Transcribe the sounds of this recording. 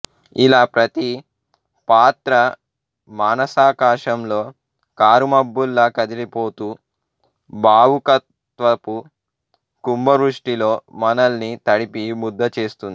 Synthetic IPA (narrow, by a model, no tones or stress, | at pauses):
ilaːpɾɐt̪i | paːt̪ɾɐ | maːnɐsaːkaːʂɐmlo̞ː | kaːɾumɐbːulːɐkɐd̪ilipo̞ːt̪uː | bʱaːwukɐt̪ | ʋɐpu | kumbɐʋɾuʂʈilo̞ːmɐnɐlnit̪ɐɽipimud̪ːɐt͡ʃeːst̪und̪i